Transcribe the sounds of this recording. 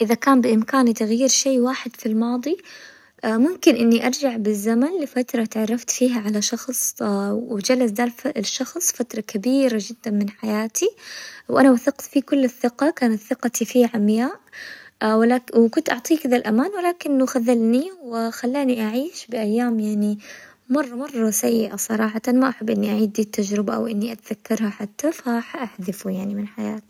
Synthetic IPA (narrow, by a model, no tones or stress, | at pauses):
ʔɪðakaːmbɪʔɪmkaːnit̪aɣjiːɾʃeːwaːħɪd̪̥filmɑːd̪ˤi | mʊmkɪnʔɪnːiʔɑɾˤd͡ʒaʕbɪzːamanlɪfat̪ɾˤɑt̪ʕɑrˤːɑft̪fiːɦaʕalaʃɑxsˤwd͡ʒalasd̪aːlʃːɑxsˤfat̪ɾˤɑkabiːɾad͡ʒɪd̪ːanmɪnħajaːt̪iwʔanawaθɪqt̪fikʊlːɪθːɪqɑkaːnat̪θɪqɑt̪ifiʕamjaːʔ | wlawkʊnt̪ʔɑʕt̪ˤiːkɪd̪alʔamaːnwɪlaːkɪnːʊxaðalniwɪxalːaːniʔaʕiːʃbɪʔajːaːmjaʕni | mɑrˤːɑmɑrˤːɑsajːɪʔasˤɑɾˤɑːħɑt̪ɑnmaʔaħabːʔɪnːiʔaʕiːd̪ːit̪ːad͡ʒɾɪbaʔa̰wʔɪnːiʔat̪aðakːɑɾˤhaħat̪ːafaħaʔaħðɪfujaʕnimɪnħaja̰ːt̪i̥